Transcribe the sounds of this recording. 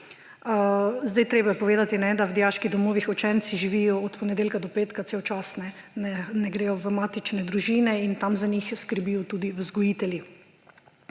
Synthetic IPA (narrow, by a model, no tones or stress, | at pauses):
zd̪ajt̪ɾeːbajɛpɔʋeːd̪at̪inɛd̪awd̪jaːʃkid̪ɔmoːʋixɔt͡ʃɛnt̪siʒiʋiːjɔɔt̪pɔnɛd̪eːlkad̪ɔpeːt̪kat̪sewt͡ʃaːsnɛ | nɛnɛɡɾeːjɔʋəmaːt̪it͡ʃnɛd̪ɾuʒiːnɛint̪amzanixskəɾbiːjɔt̪uːd̪iʋzɡɔjiːt̪ɛlji